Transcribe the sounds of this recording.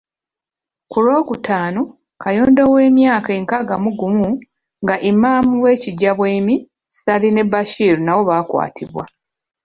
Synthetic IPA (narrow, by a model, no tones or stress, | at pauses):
kulo̞ːkutʰaːno | kʰajo̞ːndo̞we̞ːmjaːkaeːŋkaɡamuɡumu | ŋɡaʔimːaːmuwe̞ːciɟaβweːmi | ssaline̞baʃiːɾunawo̞βaːkwa̰ːtʰḭβwa̰